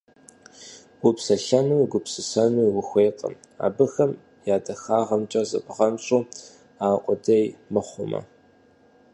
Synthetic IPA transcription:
ɡ̥ʊpsɐɬɐnuːɡʷʊpsɨsɐnuːwʊxʷeːqʼɐ̰m | a̰ːbɨxɐm | jaːdɐxaːʁɐmt͡ʃʼɐzɐ̰pʼʁɐmɕʼuː | aːqʷʼɔdɐjmɐχʷʊmɐ̰

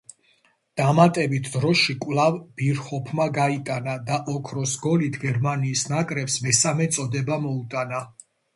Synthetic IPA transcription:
d̪̥amat̪ʼɛbit̪ʰd̪ɾɔʃikʼwlˠavb̥iɾχɔpʰmaɡait̪ʼanad̪aʔɔkʰɾɔsɡɔlit̪ʰɡɛɾmaniːsnakʼɾɛpsmɛsamɛt̪sʼɔd̪ɛbamɔut̪ʼana

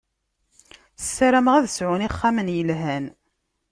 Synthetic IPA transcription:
θə̥sːaɾæməʁæðsʕʊniχːamənjəlɦæn

